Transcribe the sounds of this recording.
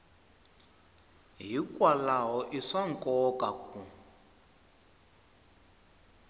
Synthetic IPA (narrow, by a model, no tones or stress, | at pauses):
ɦikʼwalaɦɔʔiʂaŋkʼɔkakʰʼu